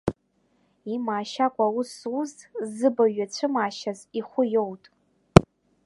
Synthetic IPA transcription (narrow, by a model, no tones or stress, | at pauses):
imaːʃakʷʼaususzɨbaɥat͡ɕʷʰɨmaːʃaziχʷʊjo̞wtʼ